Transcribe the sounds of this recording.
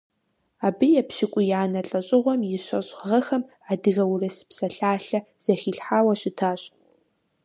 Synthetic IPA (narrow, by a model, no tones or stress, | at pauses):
aːbɨjɛpʃɪkʷʼʊjaːnɐɬʼɐɕʼɪʁʷɔmjɪɕɐɕʼʁɐxɐm | adɨɣɐwrɐsɨ̥psɐɬaːɬɐ | z̥ɐxiːɬħaːwɐɕɪtʰaːɕʼ